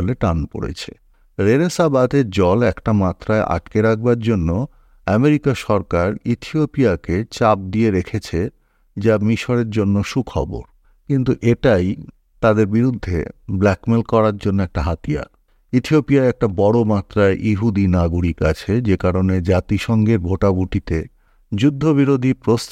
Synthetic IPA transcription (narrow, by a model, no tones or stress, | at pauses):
leʈanpo̰ɽḛt͡ɕʰḛ | ɾeɾesabat̪eɾd͡ʑɔlɛkʈamat̪ːɾaeʔa̰ʈkeɾak̚ʰbaɾd͡ʑonːo | ɛmeɾikaʃɔɾkaɾit̪ʰiopiaket͡ɕap̚d̪ieɾekʰet͡ɕʰe | d͡ʑamiʃoɾeɾd͡ʑonːoʃukʰɔ̰bo̰ɾ | kint̪uʔeʈaj | t̪ad̪eɾbiɾud̪ʱːḛblɛkmelkɔɾaɾd͡ʑonːoɛk̚ʈaɦat̪ija̰ | it̪ʰiopiaeɛk̚ʈabɔɽomat̪ːɾaeʔiɦud̪inaɡuɾikat͡ɕʰed͡ʑekaɾoned͡ʑat̪iʃɔŋɡeɾbʱoʈabuʈit̪e | d͡ʑud̪ʱːoβiɾod̪ʱipɾos